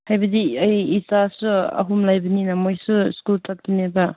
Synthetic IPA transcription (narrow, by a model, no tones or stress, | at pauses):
hajbɐdiɐjːsasuɐ̰ɦumlajbɐninamojsuskultʰak̚tineba